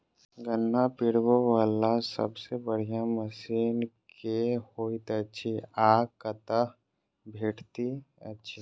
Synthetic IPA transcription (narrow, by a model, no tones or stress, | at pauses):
ɡənːapɪɽwoʋaːlasə̰bsebəɽ̤ijaməsiːnkehoːit̪ətːʃʰiaːkət̪ə | bʱeːʈʰt̪iə̰tːʃʰi